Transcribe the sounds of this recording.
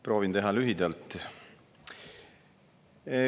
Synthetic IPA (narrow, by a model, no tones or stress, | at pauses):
pɾo̞ːvind̪e̞ɦɑlyɦid̪ɑlt̪ːˑ